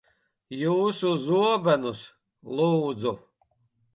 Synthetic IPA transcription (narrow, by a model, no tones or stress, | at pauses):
juːsuzuɔbɛnus | lˠuːd̪zu